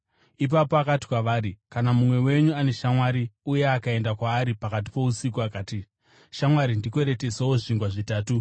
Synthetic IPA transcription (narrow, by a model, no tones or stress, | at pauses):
ip̬apo̞akati̥kwaʋaːɾikanamumwe̞we̞ɲuane̞ʃamwaɾiuje̞akae̞ndakwaːɾipakat̬i̥po̞usik̬uakaːti | ʃamwaɾindikwe̞ɾe̞te̞sewoʐiŋɡwaʐitaːtu